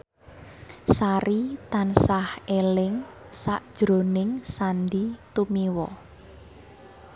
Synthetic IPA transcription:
saɾit̪ansahelɪŋ | saʔd̥ʒ̥ɾo̤nɪŋsand̪it̪umiwɔ

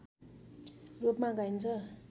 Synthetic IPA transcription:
ropmãɡajnt͡sʰʌ

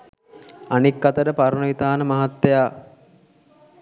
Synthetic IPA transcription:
anikːat̪əɾəpaɾənəʋit̪aːnəmaɦat̪ːejaː

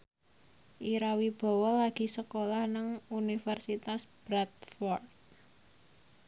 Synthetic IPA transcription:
ʔiɾawib̥ɔ̤wɔlːaɡ̥i̤səkolahnəŋunifərsit̪asb̥ɾat̪̚fɔrt̪̚

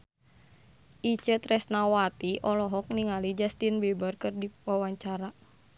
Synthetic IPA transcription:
ʔit͡ʃət̪rɛsnawat̪iʔɔlɔɦɔk̚niŋalid͡ʒast̪inbɛbərkɨrdiwawaɲt͡ʃaɾa

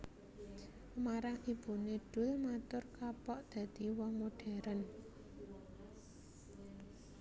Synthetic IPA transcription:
maɾaŋib̥ṳneɖ̥ʊ̤lmat̪ʊrkapɔʔd̪̥ä̤d̪̥i̤wɔŋmoɖ̥a̤ɾan

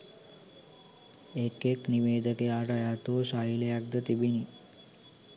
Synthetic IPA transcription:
ekekniʋeːd̪əkeaʈajat̪osaileak̚d̪ət̪ibini

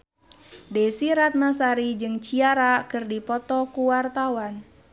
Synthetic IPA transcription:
dɛsiɾat̪̚nasaɾid͡ʒɨŋt͡ʃiaɾakɨrdipɔt̪ɔkuwart̪awan

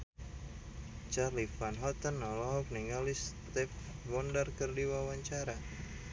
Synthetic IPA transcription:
t͡ʃarlifanɦɔt̪ənːɔlɔɦɔk̚niŋalist̪ɛfbɔndərkərdiwawaɲt͡ʃaɾa

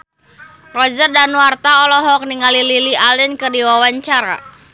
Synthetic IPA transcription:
rɔd͡ʒərdanwart̪aɔlɔɦɔk̚niŋalililialɪnkɨrdiwawaɲt͡ʃaɾa̰

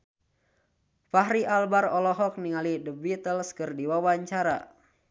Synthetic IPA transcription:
paɦɾiʔalbarɔlɔɦɔk̚niŋalidəbit̪əlskərdiwawaɲt͡ʃaɾa̰

